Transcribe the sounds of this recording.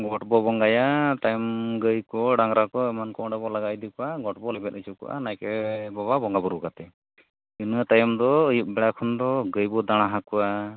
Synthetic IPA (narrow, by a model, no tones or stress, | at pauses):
ɡɔʈbɔbɔŋɡajat̪ajɔmɡəjkɔɖaŋɾakɔɛmankɔɖabɔlaɡajd̪ikɔwaɡɔʈ̚bɔlɛbɛt̪̚ət͡ʃup̚kɔ̰ʔa̰najkɛbɔβabɔŋɡabɔɾukat̪ɛ | unuat̪ajɔmd̪ɔːjuʔ̚bɛɽakʰɔnd̪ɔɡəjbɔd̪aɽ̃aɦakɔwa